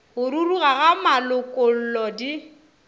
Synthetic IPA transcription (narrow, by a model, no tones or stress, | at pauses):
ɣʊɾuruɣaɣamalʊkʼʊl̩lɔdi